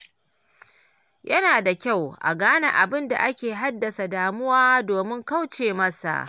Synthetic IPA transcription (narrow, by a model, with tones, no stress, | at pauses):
jʔɐ˦naː˨da˨kʲa˦˨wʔa̰˨ɡaː˦na̰˦˨ʔa˨bɪ˦nda̰˨ʔa˦kʲeː˨ɦa˦dːɐ˨sa˨daː˨mʊ˦waː˦doː˨mɪ˦ŋka˦wt͡ʃeː˨mɐ˦sa̰˨ʔ